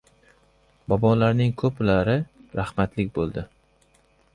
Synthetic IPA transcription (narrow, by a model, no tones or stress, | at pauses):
bɒbɒlaɾnɪŋkʰɵplaɾɪɾahmat̪lɪkʲbolˠd̪ɪ